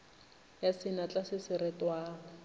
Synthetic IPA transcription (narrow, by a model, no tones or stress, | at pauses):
jasɪnat͡ɬʼasɪsɪɾɛtʼwaːɣɔ